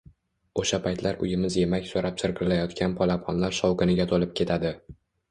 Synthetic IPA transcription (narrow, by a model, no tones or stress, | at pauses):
oʃapʰajt̪ʰlaɾʊjɪmɪzje̞makʲsoɾapsɪɾɡʲɪɾɪlajɒt̪kʲʰanpʰɒlapʰɒnlaɾʃɒwkɪnɪɡʲat̪ʰolɪp̚kʲʰe̞t̪ʰad̪ɪ